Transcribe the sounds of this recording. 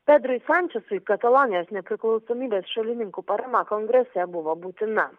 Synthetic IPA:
pʲɛd̪ɾʊjsɑnʲt͡ʃʲɛsʊkɐt̪ɐlˠɔnʲɪjoːsnʲɛpʲɾʲɪklˠɒʊsɔːmʲiːbʲeːsʃɐlʲɪnʲɪŋkupɐɾɐmɐkɔŋɡɾʲɛsʲɛbʊʋoːbuːt̪ʲɪnɐ

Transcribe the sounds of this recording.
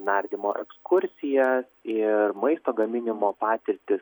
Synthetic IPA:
nɐɾʲd̪ʲɪmoːʔɛ̰kskʊɾʲsʲɪjɛsɪɾmɐɪst̪oːɡɐmʲɪnʲɪmoːpɑːt̪ʲɪɾʲt̪ʲɪs

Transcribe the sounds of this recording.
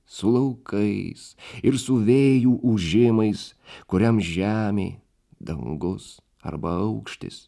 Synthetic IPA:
sʊlˠɐʊkʰɐɪsɪɾsʊʋʲeːjuːʔʊʒʲɪmɐɪskʊɾʲɛmsʒʲæːmʲḛː | d̪ɐŋɡʊs | ɐ̰ɾbɐɐʊkʃʲt̪ʲɪ̰s

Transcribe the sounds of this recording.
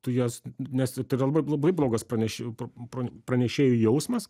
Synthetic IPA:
t̪ʊjɛsnʲɛsɪt̪ɐɪɾɐlˠɐbɐɪblˠɐbɐɪblˠoːɡɐspɾɐnʲɛʃʲɪppɾoːpɾɐnʲɛʃʲeːjʊjɛʊsmɐs

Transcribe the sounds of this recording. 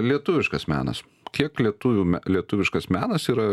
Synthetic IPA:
lʲiɛt̪ʊʋʲɪʃkɐsmʲæ̰ːnɐ̰s | kʲiɛklʲiɛt̪uʋʲuːmʲælʲiɛt̪ʊʋʲɪʃkɐsmʲæːnɐsiːɾɐ

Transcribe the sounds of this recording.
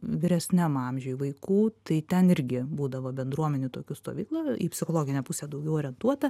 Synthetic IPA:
ʋʲɪɾʲɛsʲnʲæmɑmʲʒʲojʋɐɪkuːt̪ɐɪt̪ʲɛnɪɾʲɡʲɪbuːd̪ɐʋoːbʲɛnd̪ɾuɔmʲɛnʲʊt̪oːkʲʊst̪oːʋʲiːklˠɐipʲsʲɪxoːlˠoːɡʲɪnʲɛpʊsʲeːd̪ɐʊɡʲɛʊoːɾʲɛnt̪uɔt̪ɐ

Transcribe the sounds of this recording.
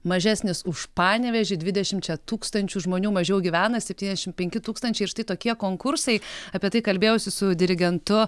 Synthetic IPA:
mɐʒʲæːsʲnʲɪsʊʃpɑːnʲɛʋʲɛʒʲɪdʲʋʲɪdʲɛʃʲɪmt͡ʃʲɛt̪uːkst̪ɐnʲt͡ʃʲuːʒmoːnʲuːmɐʒʲɛʊɡʲiːʋʲæːnɐsʲɛp̚ʲtʲiːnʲɛzʲɛʃʲɪmpʲɛŋʲkʲɪt̪uːkst̪ɐnʲt͡ʃʲɛɪʃt̪ɐɪt̪oːkʲiɛkoːŋkʊɾsɐɪɐpʲiɛt̪ɐɪkɐlʲbʲeːjoːsʲɪsʊd̪ʲɪɾʲɪɡʲɛnt̪ʊ

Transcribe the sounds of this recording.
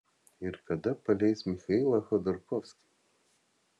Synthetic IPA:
ɪɾkɐd̪ɐpɐlʲɛjsmʲɪxɐilˠɐxɔd̪ɔɾkɔfsʲkʲɪ̥

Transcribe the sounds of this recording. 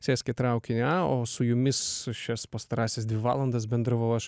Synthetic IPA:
sʲæːsʲkʲɛt̪ɾɐʊkʲɪnʲɛoːsʊjʊmʲɪsʃʲɛspɐst̪ɐɾɑːsʲɛsd̪ʋʲɪʋɑ̰ːlˠɐnd̪ɐsbʲɛnd̪ɾɐʋɐʊɐʃ

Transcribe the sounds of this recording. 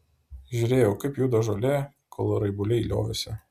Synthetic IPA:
ʒʲʊɾʲeːjɛʊkɐɪpjuːd̪ɐʒolʲɛ | kʰolˠɾɐɪbʊlʲɛɪlʲo̰ːʋʲɪsʲɛ

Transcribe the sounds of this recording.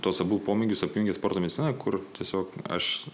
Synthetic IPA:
t̪oːsɐbuːpoːmʲɪɡʲʊsɐpʲjʊŋʲɡʲɛspoːrt̪oːmʲɛd̪ʲɪtsʲɪnɐkʊɾttʲiɛsʲoːkɐ̰ʃ

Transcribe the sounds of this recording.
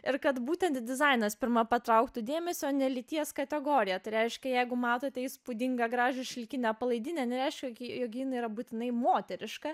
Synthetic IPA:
ɪɾkɐt̪buːt̪ʲɛnt̪d̪ʲɪzɐɪnɐspʲɪɾmɐpɐt̪ɾɐʊkt̪ʊd̪ʲeːmʲɛsʲooːnʲɛlʲɪt̪ʲiɛskɐt̪ʲɛɡoːɾʲɪjɛt̪ɐɪɾʲɛɪʃʲkʲɛjɛɪɡʊmɑːt̪oːt̪ʲɛɪspʊd̪ʲɪŋɡɐɡɾɑːʒʲoʃʲɪlʲkʲɪnʲɛpɐlˠɐɪd̪ʲɪnʲɛnʲɛɾʲɛɪʃʲkʲɛjkʲjokʲːinɐiːɾɐbuːt̪ʲɪnɐɪmoːt̪ʲɛɾʲɪʃkɐ

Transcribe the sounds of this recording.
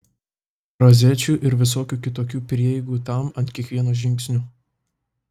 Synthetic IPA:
ɾɐzʲɛt͡ʃʲuːʔɪɾʋʲɪs̬oːkʲuːkʲɪt̪oːkʲuːpʲɾʲiɛjɛɪɡuːt̪ɐˑmɐnt̪ʲkʲiɛkʋʲiɛnoːʒʲɪŋʲksʲnʲuː

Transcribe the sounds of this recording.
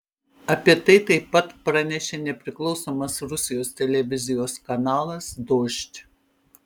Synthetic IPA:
ɐpʲiɛt̪ɐɪt̪ɐɪpːɐt̪pɾɐnʲɛʃʲenʲɛpʲɾʲɪklˠɒʊsoːmɐsɾʊsʲɪjoːst̪ʲɛlʲɛʋʲɪzʲɪjoːskɐnɑːlˠɐsd̪oːʃʲt̪ʲ

